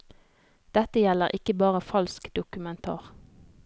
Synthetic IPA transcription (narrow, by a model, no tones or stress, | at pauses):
d̪̥ɛt̪əjɛləʁʔɪkəbɑːʁəfɑlskd̪ʊkʉmɛnt̪ʰɑ̰ːʁ